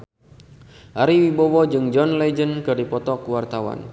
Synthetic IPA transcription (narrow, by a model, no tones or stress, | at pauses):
ʔaɾiwibɔwɔd͡ʒɨŋd͡ʒɔnlɛd͡ʒənkɨrdipɔt̪ɔkuwart̪awa̰n